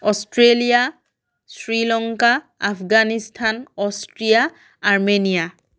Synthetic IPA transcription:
ɔstʰɹelija | sɹilɔŋkaː | pʰɡanistʰanɔstɹijaː | ɹmenija

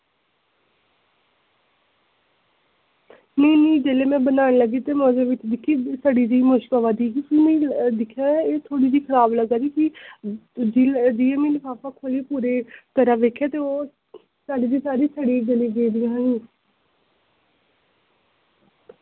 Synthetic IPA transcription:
neinĩːd͡ʒeːleːmɛ̃ːbənaːnẽːləɡeːt̪eːmə̃ːd͡ʒ̪eːʋɪt͡ʃd̪ɪkʰːiːsəɖiːd̪iːmʊʃkaʋaːd̪iːɡiːpʰɪmẽĩd̪ɪkʰːjaːeːt̪ʰoːɽiːd̪iːkʰəɾaːbləɡaːɾiːki | d͡ʒid͡ʒiːeːmĩːnepaːpaːkʰoːleːpuːɾeːt̪əɾãːʋeːkʰːjaːt̪eːoː | saːɖiːd̪iːsaːɾiːsəɽiːd͡ʒəleːɡeːd̪ɪjãːɦaːniː

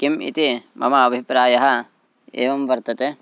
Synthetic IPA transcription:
kimḭt̪imʔɐ̰mɐːbʱipɾaːjɐɦɐ̆ | ḛːʋɐmʋɐɾt̪ɐt̪eː

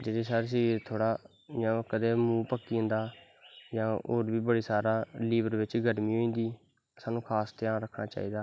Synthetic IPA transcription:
d͡ʒed̪eːsaːɾs̬iːt̪ʰoːɽaː | jãːkəd̪eːmũːpəkːiːə̃nd̪aː | jãːoːɾbiːbəɽiːsaːɾaːliːbəɾʋɪt͡ʃɡəɾmĩːɦoːĩːnd̪iː | saːnũːkʰaːst̪ɪjãːɾəkʰnaːt͡ʃa̰ːiːd̪aː

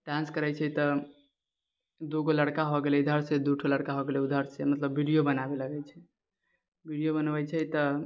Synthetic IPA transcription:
ʈãnskəɾɛt͡ʃʰɛt̪ə | d̪uɡoləɽkaɦoɡelɛd̪ʱəɾsed̪uʈʰoləɽkaɦoɡelɛud̪ʱəɾsemət̪ləbːiɽijobənabeləɡɛjt͡ʃʰɛ | bʱiɽijobənbɛjt͡ʃʰɛt̪ə

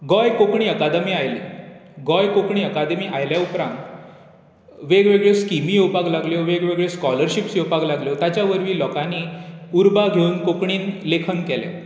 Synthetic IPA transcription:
ɡɔjkokɳiːəkad̪əmiːajleɡɔjkokɳiːəkad̪miːʔajljaupɾãnt̪ | ʋeɡʋeɡɭeskimijewpaɡlaɡljoʋeɡʋeɡɭeskɔləɾɕipsjewpaɡlaɡljot̪jat͡ɕjaʋəɾʋiːlɔkãniuɾbaɡʱeunkokɳiːnlekʰənkɛlja̰

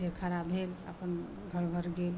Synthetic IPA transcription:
ekʰaɾabʱelə̰pən | ɡʱəɾɡʱəɾɡel

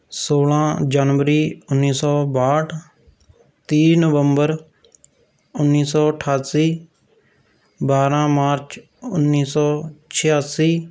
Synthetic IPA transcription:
soːlãːd͡ʒaːnʋəɾiːʊnːiːsɔːbaːʈʰ | t̪iːnəʋəmbəɾ | ʊnːiːsɔːʈʰaːsiː | baːɾãːmaːɾt͡ʃ | ʊnːiːsɔːt͡ʃʰɪjaːsiː

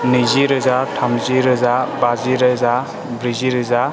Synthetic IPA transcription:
niziɾɯzatʰamziɾɯzabaziɾɯza | bɾiziɾɯza

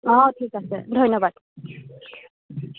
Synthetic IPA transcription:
ɔtʰikasɛ̰dʱojnɔbad̥̚

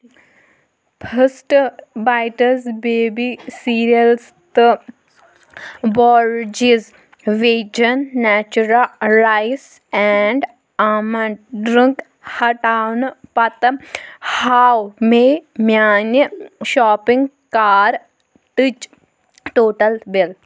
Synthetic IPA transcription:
pʰəsʈbaːɪʈəzbeːbisiːɾiəls | t̪ɨ | bɔːɾd͡ʒiz | ʋeːd͡ʒənːɛːt͡ʃuɾəlɾaɪs | ɛɳɖ | amɐɖɾĩŋk | hɐʈaːwnpɐt̪ | haːwmẽmjaːnjəʃɔːpɪ̃ŋɡ | kaːɾ | t̪ɨt͡ʃ | t̪oːʈɐlbɪl

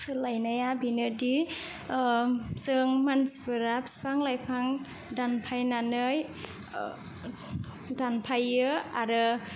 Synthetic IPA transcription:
sɯlajnajabinɯdi | sɯŋmansibɯɾap̚si̥paŋlajpʰaŋ | danpʰajnanɯj | danpʰajɯaɾɯ

